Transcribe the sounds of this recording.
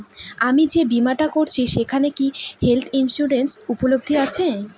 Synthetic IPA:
amid͡ʑebimaʈakoɾt͡ɕʰiʃekʰanekihelt̪ʰinʃuɾensupolob̚d̪ʱiat͡ɕʰe

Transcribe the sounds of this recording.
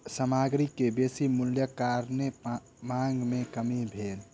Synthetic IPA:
səmaɡɾikːebesimuljəkaɾne | maŋɡmekəmibʱel

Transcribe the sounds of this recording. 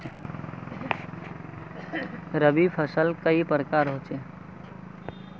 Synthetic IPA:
ɾəbipʰəsəlkəipɾəkaːɾɦoːt͡ʃeː

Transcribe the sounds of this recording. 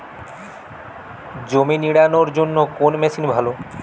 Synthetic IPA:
d͡ʑominiɽanoɾd͡ʑonːokonmesinbʱalo

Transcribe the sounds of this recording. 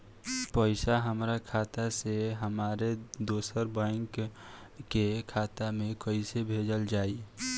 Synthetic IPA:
pəɪsaɦəmɾakʰaːt̪aseɦəmaːɾed̪oːsəɾbə̃ɪŋkː | ekʰaːt̪amẽkəɪsebʱed͡ʒəld͡ʒaːi

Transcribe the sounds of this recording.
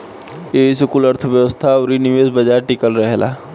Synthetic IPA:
esʊkuːləɾt̪ʰəʋjəʋəst̪ʰaɾiniʋeːsbəd͡ʒaːɾʈɪkəlɾəɦelʔa̰ː

